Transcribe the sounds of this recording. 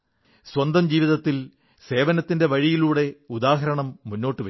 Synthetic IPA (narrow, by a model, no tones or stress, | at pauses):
swɐnd̪ɐmd͡ʑiːʋiðɐt̪ːil | se̞ːʋɐnɐt̪ːinde̞ʋɐɻijiluːɽe̞ud̪aːɦɐɾɐɳɐmːunːo̞ːʈːɨʋɐ